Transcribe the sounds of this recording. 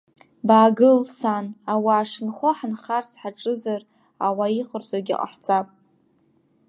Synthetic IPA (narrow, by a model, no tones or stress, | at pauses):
baːɡɨlsanawaːʂɨnχʷaħanχarsħaʈ͡ʂʼɨzar | awaiχərzaɡʲḭqʼa̰ħt͡sʼapʼ